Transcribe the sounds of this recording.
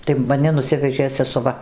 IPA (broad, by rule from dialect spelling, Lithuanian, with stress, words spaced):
tɐɪ mɐˈnʲɪ nʊˈsʲɪʋʲɛʒʲeː sʲɛsʊˈʋɐ